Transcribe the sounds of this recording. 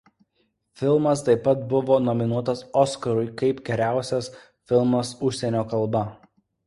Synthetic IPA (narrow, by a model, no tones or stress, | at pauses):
fʲɪlˠmɐst̪ɐɪpːɐt̪̚bʊʋoːnɔmʲɪnuɔt̪ɐsɔskɐɾʊɪkɐɪpɡʲɛɾʲæˑʊsʲɛs | fʲɪlˠmɐsʊʃʲsʲɛnʲoːkɐlˠbɐ